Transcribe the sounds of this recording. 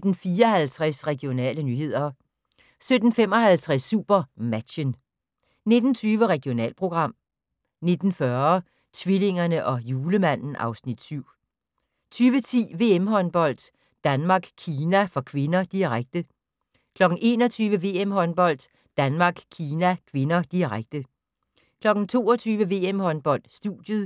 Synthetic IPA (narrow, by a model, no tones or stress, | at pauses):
d̥n̩fiːɐɒhælt͡sʰʁɛsʁɛɡ̥io̝nɛ̰ːlənyːhe̝ð̞̰ˠɐ | sød̥n̩fem̰ɒ̽hælt͡sʰʁɛsːṵːb̥ɐmæ̥ɕən | ne̝d̥n̩t͡sʰyːʋəʁɛɡ̥io̝nɛ̰ːlpʰʁo̝ɡ̥ʁɑ̈m̰ | ne̝d̥n̩fɶɐ | t͡sʰʋile̝ŋɐnəʔɒ̽juːləmæn̰n̩ʔɑ̈ʊsnid̥syʊ̰ | t͡sʰyːʋət͡sʰḭːʋe̝emɦɒ̽nb̥ɒ̽l̰d̥ | d̥ænmɑ̈ːɡ̥kʰiːnæfɒ̽kʰʋe̝nɐd̥iʁaɡ̥̚d̥ə | kʰlɒ̽ɡ̥n̩ʔe̝ːnɒ̽t͡sʰyːʋəʋe̝̰ːemɦɒ̽nb̥ɒ̽l̰d̥ː | ænmɑ̈ːɡ̥kʰiːnækʰʋe̝nɐd̥iʁaɡ̥̚d̥ə | kʰlɒ̽ɡ̥n̩t͡sʰo̝̰ːɒt͡sʰyːʋəʋe̝̰ːemhɒ̽nb̥ɒ̽l̰d̥sd̥ṵd̥jəð̩ˠ